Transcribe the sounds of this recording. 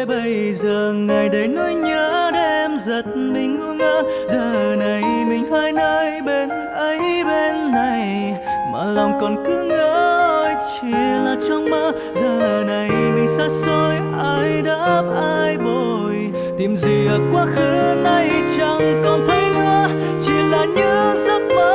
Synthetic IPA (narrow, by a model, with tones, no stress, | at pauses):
ɓə˧j | zəː˨˩ŋa˨˩jɗə˨˧˩jnu˧jɲəː˨˧˦ɗɛ˧mzə˨˩t̚mï˨˩ŋ̟ŋu˧əŋʔəː˧˥ | zəː˨˩na˨˩jmï˨˩ŋ̟haː˧jnəː˧˦jɓe˧n | ʔə˧˦jɓe˧nːa˨˩j | maː˨˩lɔ˨˩wŋ͡mkɔ˨˩nkɨ˨˧˦ŋəː˧˦ɔ˧jt͡ɕi˧˨laː˨˩t͡ɕɔ˧wŋ͡mmə˧˥ | zəː˨˩na˨˩jmï˨˩ŋ̟saː˧˥so˧jʔaː˧jɗaː˧˥p̚ʔaː˧jɓo˨˩ | j | t̪i˨˩mzi˨˩ə˨˩kwaː˨˦xɨ˨˧˦na˧˩jt͡ɕa˧ŋkɔ˨˩nt̪ʰə˨˦jnɨ̰˧˦ə | t͡ɕi˧˩laː˨˩ɲɨ˧˦zə˦˥t̚mə˧˥